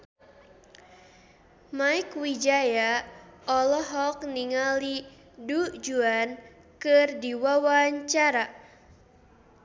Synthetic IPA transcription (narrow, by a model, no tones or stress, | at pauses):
maikwid͡ʒajaɔlɔɦɔk̚niŋali | dud͡ʒuan | kɨrdiwawaɲt͡ʃaɾa